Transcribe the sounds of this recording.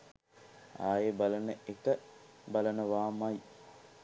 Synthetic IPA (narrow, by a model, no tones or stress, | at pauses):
aːjebalənəekə | balənəʋaːmɐj